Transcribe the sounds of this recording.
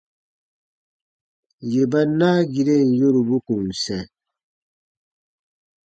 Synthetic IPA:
je˨ba˦na˦ɡi˨ɾe˦˨n˨jo˦ɾu˨bu˦kũ˨n˨sɛ̃˨

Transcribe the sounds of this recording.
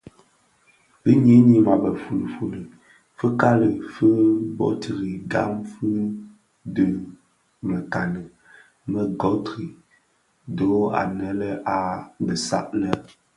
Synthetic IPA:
b̥ə˦ɲi˨˦ni˦ma˨bə˨fu˨lə˨fu˨lə˨ | fɨ˦ka˦lə˨fɨ˦bɔ̰˨tʰɨ˨ɾi˨ɡa̰˦mfɨ˦ | də˦ | mə˨ka˨nə˨ | mə˨ɡɔ˨˦tɾi˨ | do˨˦a̰˨nə˦lə˦ʔa˨bə˨sa̰˦ʔlə˦

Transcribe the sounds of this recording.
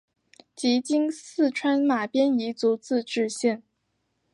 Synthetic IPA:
t͡ɕi˧˥t͡ɕi˥ŋsɹ̩˥˩ʈ͡ʂʰwa˥nma˨˩pjɛ˥ni˧˥t͡su˧˥t͡sɹ̩˥˧ʈ͡ʂɻ̩˥˧ɕjɛ˥˩n

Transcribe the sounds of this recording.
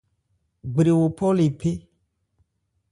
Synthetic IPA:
ɡ͡be˨ɾe˨wo˨pʰɔ˦le˨pe˦

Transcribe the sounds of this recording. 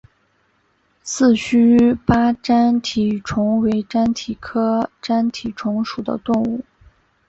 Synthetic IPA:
sɹ̩˥˩t͡ɕʰy˥pa˥ʈ͡ʂa˥nt̪ʰi˨˩ʈ͡ʂʰʊ˧˥ŋwe˧˥ɪʈ͡ʂa˥nt̪ʰi˨˩kʰɤ˥ʈ͡ʂa˥nt̪ʰi˨˩ʈ͡ʂʰʊ˧˥ŋʂu˨˩d̪ə̰˦t̪ʊ˥˧ŋu˥˩

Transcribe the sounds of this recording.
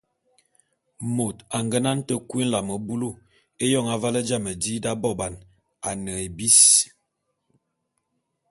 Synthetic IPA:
mo˨ta˨ŋɡə˦na˦n˦tə˦kwi˦n̩˦la˨mə˨bu˦lu˦˨ | e˦jɔ˦˨ŋa˨va˦lə˦d͡ʒa˦˨mə˨di˦da˦bɔ˦˨ba˨n | a˨nə˨e˨bi˦s

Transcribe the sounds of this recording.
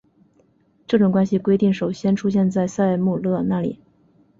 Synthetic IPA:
ʈ͡ʂɤ˥˩ʈ͡ʂʊ˨˩ŋkwa˥nɕi˨kwe˥ɪt̪i˥˩ŋʂo˨˩ʊɕjɛ˥nʈ͡ʂʰu˥ɕjɛ˥˧nt͡sa˥˧ɪsa˥˧ɪmu˥˧lɤ˥˩na˥˩lḭ˨˩˦

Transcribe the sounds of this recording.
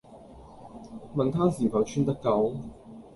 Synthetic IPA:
mɐ˨nt̪ʰaː˥siː˨˩fɐ˨˧wt͡ʃʰyː˥nt̪ɐ˥kːɐ˨˧˥w

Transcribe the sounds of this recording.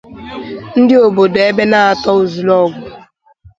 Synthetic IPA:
n̩˦dɪ˦o˨bo˨do˨e˦be˦na˦a˨tɔ˦u˨zu˨lɔ˦˨ɡʷʊ˨

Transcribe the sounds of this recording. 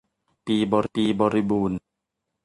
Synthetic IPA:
piː˧bɔː˨˧ɾi˦piː˧bɔː˨˧ɾi˦˧buː˨˩n

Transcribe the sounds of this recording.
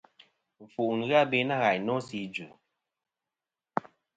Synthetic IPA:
ɱ̩˨fu˨ʔn˨ɣa˦˨be˦na˦ɣa˨jnɔ˦si˨˦d͡ʒʉ˨

